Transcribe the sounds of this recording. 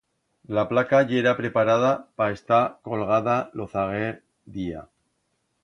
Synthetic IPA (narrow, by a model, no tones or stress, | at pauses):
laplakaʝeɾapɾe̞paɾaðapaest̪ako̞lɣ̞aðaloθaɣeɾ | ðia̰